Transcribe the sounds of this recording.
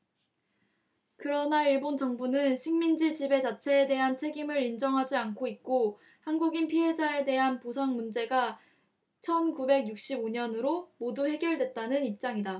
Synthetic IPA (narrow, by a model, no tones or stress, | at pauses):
kɯɾʌnaiɭbont͡ɕʌŋbunɯnɕʰiŋmind͡ʑid͡ʑibe̞t͡ɕat͡ɕʰe̞ːde̞ɦant͡ɕʰe̞ɡimɯɾind͡ʑʌŋɦad͡ʑiankʰoit̚k͈o | hanɡuɡinpʰiɦe̞d͡ʑae̞de̞ɦanposʰaŋmund͡ʑe̞ɡa | t͡ɕʰʌnkube̞ɡjuk̚ɕ͈iboɲʌnɯɾomoduhe̞ɡjʌɭdwe̞t̚t͈anɯnip̚t͡ɕ͈aŋida